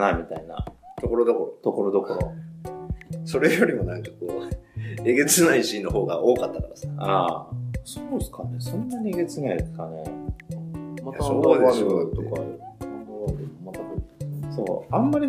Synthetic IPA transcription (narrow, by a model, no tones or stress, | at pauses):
amʲit̪aina̰t̪oko̞ɾod̪okoɾot̪o̞ko̞nod̪o̞ko̞ɾo̞̰ | so̞ɾe̞jo̞ɾʲimo̞nãt͡ɕot̪ːo | eɡe̞t͡sɨnaiɕĩno̞ɦo̞ːɡaʔo̞ːkat̪ːakaɾasaa | soːsɨ̥kanesõ̞nːaɲ̟ʲieɡe̞t͡sɨnaid̪esɨ̥kane̞ | maod̪t̪oka | oɾod̪eomat̪akoso̞ːãmːaɾʲi